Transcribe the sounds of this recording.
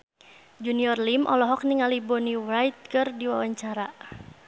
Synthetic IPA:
d͡ʒuniɔrlimʔɔlɔɦɔk̚niŋalibɔniwajt̪̚kɨrdiwa̰waɲt͡ʃaɾa

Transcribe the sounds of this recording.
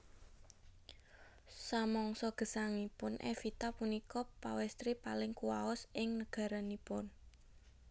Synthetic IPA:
samɔŋsɔɡ̥ə̤saŋipʊnʔɛ̰fit̪apunikɔpawɛst̪ɾipalɪŋkuwaɔsɪŋnəɡ̥a̤ɾanipʊn

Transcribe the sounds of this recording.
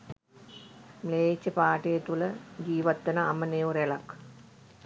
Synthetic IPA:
mleːt͡ɕːɐpaːʈɐjɐt̪uləɡiːʋɐt̪ːɐnɐɐməneːʋuɾelɐk

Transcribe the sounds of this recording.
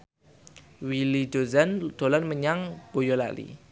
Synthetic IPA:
wilidozand̥olanməɲaŋb̥ojɔla̰lḭ

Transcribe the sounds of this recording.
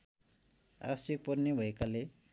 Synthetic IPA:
a̰sik̚pʌrnebʱʌekale

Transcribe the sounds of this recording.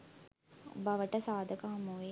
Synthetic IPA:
bɐʋəʈəsaːd̪ʱəkaɦɐmuʋe

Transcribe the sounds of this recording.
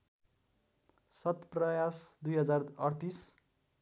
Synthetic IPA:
sʌt̪prʌjasd̪ujɦʌd͡zarʌrt̪is

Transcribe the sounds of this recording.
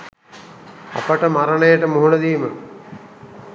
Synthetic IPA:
a̰pəʈəmaɾənəjəʈəmuɦunɐd̪iːmə

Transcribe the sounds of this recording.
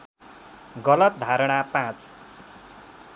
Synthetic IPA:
ɡʌlʌt̪̚d̪ʱaɾɽ̃apãt͡s

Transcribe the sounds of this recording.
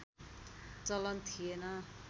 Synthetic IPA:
t͡sʌlʌnt̪ʰiena

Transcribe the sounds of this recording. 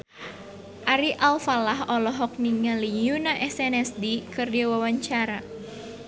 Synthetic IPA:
ʔaɾiʔalfalaɦɔlɔɦɔk̚niŋalijunaʔɛsɛnɛsdikɨrdawawaɲt͡ʃaɾa

